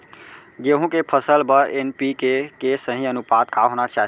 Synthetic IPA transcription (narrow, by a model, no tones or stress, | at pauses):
d͡ʒeɦũkepʰəsəlbəɾenpikekesə̃ɦĩənupat̪kaɦonat͡ʃaɦ